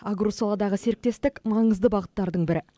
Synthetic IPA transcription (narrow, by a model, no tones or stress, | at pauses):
aɡɾusolˠɑd̪ɑʁəse̞ɾɪk̚t̪e̞st̪ɪkmɑɴəzd̪əbɑʁət̪ːɑɾd̪əɴbɪɾɪ